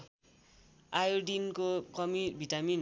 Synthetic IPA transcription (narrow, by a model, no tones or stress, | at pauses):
ajoɖinkokʌmibʱiʈamin